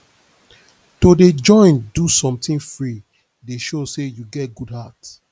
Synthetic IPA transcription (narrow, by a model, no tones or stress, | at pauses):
toded͡ʒɔ̃ɪ̃ndusɔ̃mtĩnfɹi | deʃosejuɡɛt̚ɡudhat